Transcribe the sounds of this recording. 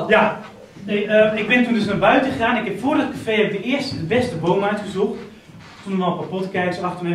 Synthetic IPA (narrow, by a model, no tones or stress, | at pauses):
ja | neəɪk̚ʋɪntundøsnarbœɥtəxaːnɪkhɛpfoərət̚kʰafeːɛbɪk̚dəɪəstdəʋɛstəboːmajtɡəsuxt | tunənɔlpapotəkɛjkəsaxtune